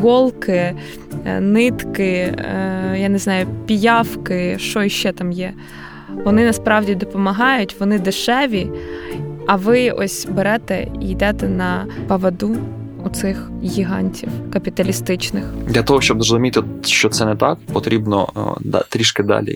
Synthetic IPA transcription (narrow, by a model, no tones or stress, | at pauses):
ɦɔlˠkɪ | nɪt̪kɪ | jɑneznɑjʊpʲijɑfkɪʃɔjʃt͡ʃɛt̪ɑmjɛ | ʋɔnɪnɐspɾɑwdʲid̪ɔpɔmɐɦɑjʊtʲʋɔnɪd̪ɪʃɛʋʲi | ɐʋɪɔ̰sʲbeɾɛt̪ɛijd̪ɛt̪ɛnɐpɐʋɐd̪u | ʊt̪sɪxɡʲiɦɑ̰nʲtʲiwkɐpʲit̪ɐlʲist̪ɪt͡ʃnɪxd̪lʲɐt̪ɔɦɔʃt͡ʃɔbzrɔzʊmʲit̪ʲɪɔʃt͡ʃɔt̪sɛnɛt̪ɑ̰k̚pɔt̪ɾʲibnɔ̰d̪̰t̪ɾʲiʃkɪd̪ɑ̰lʲḭ